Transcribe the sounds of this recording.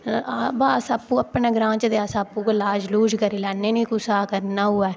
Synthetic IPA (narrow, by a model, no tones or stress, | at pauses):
baːsaːpːũːəpɳeːɡɾãːt͡ʃd̪eaːsaːpːuːkəlaːd͡ʒluːd͡ʒkəɾiːlɛːnːeːnĩːkʊsaːkəɾnaːɦuːɛː